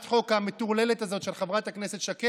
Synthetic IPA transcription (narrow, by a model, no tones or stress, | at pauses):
t̪χo̞kamet̪uʁlelet̪azo̞tʃelχavʁathakneset̪ʃake